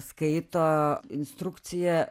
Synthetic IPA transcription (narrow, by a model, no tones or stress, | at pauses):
skɐɪt̪oːɪnst̪ɾʊkt̪sʲɪjɛ